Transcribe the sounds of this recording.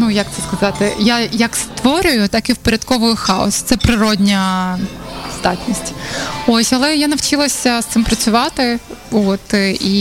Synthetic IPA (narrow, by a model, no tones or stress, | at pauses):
nujɐk̚t̪sɛskɐzɑt̪ɪjajɐkst̪ʋɔɾʲʊjʊt̪ɑkiwpoɾʲɐd̪kɔʋʊjʊxɑɔ̰st̪sɛpɾɪɾɔdʲnʲɐ | z̥d̪ɑtʲnʲisʲtʲosʲɐlˠɛjanɐwt͡ʃilˠɐsʲɐst̪sɪmpɾɐt͡sʲʊʋɑt̪ɪot̪i